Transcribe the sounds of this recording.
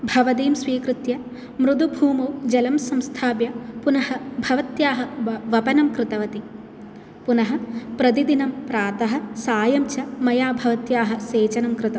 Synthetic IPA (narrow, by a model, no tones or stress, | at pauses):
bʱɐʋɐd̪iːmsʋiːkɾɪt̪jɐ | mɾud̪ubʱuːmɐwd͡ʒɐlɐmsɐmst̪ʰaːbjɐpunɐhɐbʱɐʋɐt̪jaːɦɐʋɐpɐnɐmkɾɪt̪ɐʋɐt̪i | punɐɦɐ̆pɾɐt̪̬id̪inɐmpɾaːt̪ɐɦɐ̆saːjɐmt͡ʃɐmɐjaːbʱɐʋɐt̪jaːɦɐseːt͡ʃɐnɐmkɾɨt̪ɐ